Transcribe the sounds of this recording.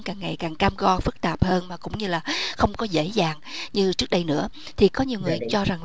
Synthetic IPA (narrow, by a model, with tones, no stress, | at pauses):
kaː˨˩ŋːa˨˩jkaː˨˩ŋkaː˧mɣɔ˧fɨ˦˥k̚t̪aː˨˩p̚həː˧nmaː˨˩kʊ̰˧˥ŋ͡mɲɨ˧laː˨˩xə˧wŋ͡mkɔ˨˦zḛ˧˥zaː˨˩ŋɲɨ˧t͡ɕɨ˦˥ək̚ɗə˧jnɨ̰˧˥ə | t̪ʰi˨˩kɔ˨˦ɲi˨˩əwŋɨ˨˩əjt͡ɕɔ˧za˨˩ŋ